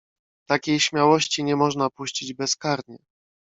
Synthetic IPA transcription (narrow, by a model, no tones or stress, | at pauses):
t̪akʲejɕmʲawɔɕt͡ɕiɲɛmɔʐnapuɕt͡ɕid͡ʑbɛskaɾɲɛ